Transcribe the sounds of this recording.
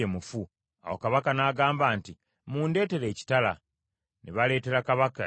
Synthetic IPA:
emufu | a̰wokaβakanaːɡaːmbaːnti | muːnde̞ːte̞ɾe̞ːci̥tala | neβale̞ːte̞ɾakaβaka

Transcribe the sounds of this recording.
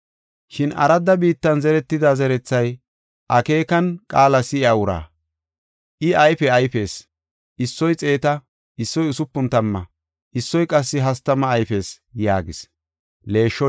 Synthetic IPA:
ʃɪnɐ̰ɾɐd̪ːɐbiːt̪ːɐnzɛɾɛt̪ːɪd̪azɛɾɛt͡sːɐj | ʔɐke̞ːkɐnkʼaːlɐsɪaʊɾa̰ː | ʔɪɐjfɛɐjfe̞ːs | ɪsːɔjt͡sʼe̞ːt̪ɐ | ɪsːɔjʊsʊpːʊnt̪ɐmːɐ̰ | ʔɪsːɔjkʼɐs̬ːɪɦɐst̪ːɐmɐːjfe̞ːs | jaːɡɪs | le̞ːʃːɔ

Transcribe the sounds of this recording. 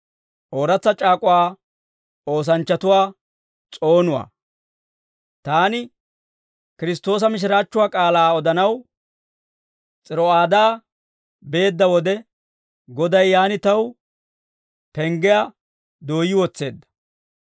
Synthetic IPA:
ʔo̞ːɾɐt͡sːɐt͡ʃʼaːkʼʊwaː | o̞ːs̬ɐnt͡ʃːɐt̪ʊwaː | t͡sʼo̞ːnʊwa̰ː | t̪aːnɪ | kɪɾɪs̬t̪ːo̞ːs̬ɐmɪʃ̬ɪɾaːt͡ʃːʊwaːkʼaːlaːɔd̪ɐnɐw | t͡sʼɪɾɔaːd̪aː | be̞ːd̪ːɐwɔd̪ɛ | ɡɔd̪ɐjːaːnɪt̪ɐw | pɛŋɡɛja | d̪o̞ːjːɪwɔt͡sːe̞ːd̪ːɐ̥

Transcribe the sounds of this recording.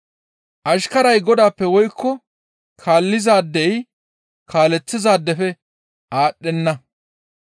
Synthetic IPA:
ʔɐʃkɐɾɐjɡɔd̪aːpːɛwɔjkʰːɔ | kʰaːlːɪzaːd̪ːɛj | kʰaːlɛt͡sːɪzaːd̪ːɛfɛ | ʔaːɗːɛnːɐ

